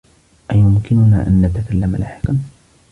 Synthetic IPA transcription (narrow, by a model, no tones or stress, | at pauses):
ʔajʊmkɪnʊna̰ːʔa̰nːat̪akalːamalʔa̰ːħɪ̥km